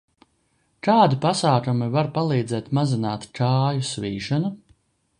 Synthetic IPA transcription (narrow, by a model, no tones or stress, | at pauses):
kaːd̪ipasaːkumivaɾpalˠiːd̪zɛːt̪mazinaːt̪t͡ʃaːjusviːʒɔnu